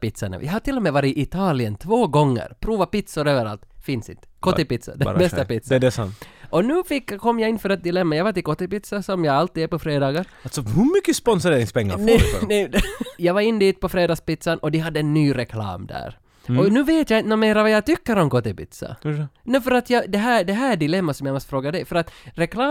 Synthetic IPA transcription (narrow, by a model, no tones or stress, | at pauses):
pɪt̪sanə̰j̰ahaʈ̪ɪlːɔmɛvɑːɾɪʔɪt̪ʰɑːlɪənt̪ʰvoːɡɔŋːə̰ɾpʰɾuːvapɪt̪sʊɾøːvəɾa̰lt̪fɪnsɪ̰nt̪ə̥kʰɔɪpɪt̪sa̰d̪ɛbɛst̪apɪt̪sɛdɛsa̰nt̪ʔɔnʉ̟ːfɪkːkʰɔmːjaɪnfœːɾat̪̚d̪ɪlɛmːajavaʈ̪ɪlkɔt̪ːɪpɪt̪sasɔmjaɡalt̪ːiːd̪æɾpɔfɾeːd̪ɑːɡaɾlsɔhʉɾmʏkːəspɔnsʊɾeːɾɪŋspɛŋːa̰ɾnɛ̰nɛjɑːvaɾɪnːd̪iːt̪pɔfɾeːd̪ɑːɡspɪt̪sanɔd̪ɪɦad̪ːəɛnːyːɾɛkʰlɑ̰ːmd̪æ̰ːɾ | ɔnʉ̟ːveːt̪janɔmeːɾavajat̪ʏkːəɾɔmkɔt̪ːɪpɪ̰t̪sa̰nɛfœɾat̪jɑd̪ɛɦæːd̪ɛɦæːɖɪlɛmːasɔmjamɔst̪fɾoːɡad̪ɛjfœɾat̪ɾɛklɑː